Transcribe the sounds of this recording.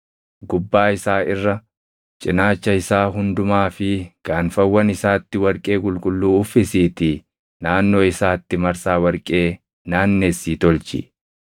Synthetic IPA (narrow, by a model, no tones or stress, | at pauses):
ɡʊbːaːɪsaːɪrːɐ | t͡ʃʼɪnaːt͡ʃːɐɪsaːɦʊnd̪ʊmaːfɪɡ̥aːnfɐwːɐnɪsaːt̪ːɪwɐɾkʼe̞ːkʼʊlkʼʊlːuːʊfɪsiːt̪ɪ | naːnːo̞ːɪsaːt̪ːɪmɐɾsaːwɐɾkʼe̞ː | naːnːeːsːiːt̪ɔlt͡ʃɪ̰